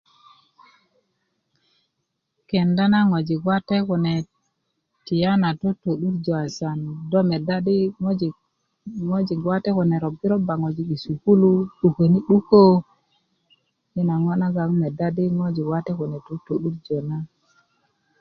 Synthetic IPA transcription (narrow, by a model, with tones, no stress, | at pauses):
ke˨nda˦na˦ŋo˨d͡ʒi˨ɡwa˦te˦ku˨ne˨ | ti˨ja˦na˨to˦to˨ɗu˦ɾd͡ʒo˨a˨sa˨ndo˦me˨da˦di˦d͡ʒ | ŋo˦d͡ʒi˨ɡwa˦te˦ku˨ne˨ɾo˨bi˦ɾo˦ba˨ŋo˨d͡ʒi˨ki˨su˨ku˦lu˦ɗu˨ke˨ni˦ɗu˦ko˦ | mi˦na˨ŋo˦na˦ɡa˨ŋme˨da˦di˦ŋo˦d͡ʒi˨ɡwa˦te˦ku˨ne˨to˦to˨ɗu˦ɾd͡ʒo˨na˦